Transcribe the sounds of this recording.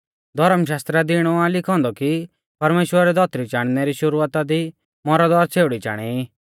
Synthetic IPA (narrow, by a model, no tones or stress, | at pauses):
d̪ʱɔɾəmʃ̬aːst̪ɾad̪ɪɽ̃ɔalɪkʰɔ̃ːnd̪ɔki | pɐɾmeːʃwəɾɾɛd̪ʱɔːt̪ɾit͡ʃaːɽ̃nɛɾiʃʊɾuːət̪ad̪i | mɔɾad̪ɔːɾt͡sʰeːʊɽit͡ʃa̰ːɽ̃ɛi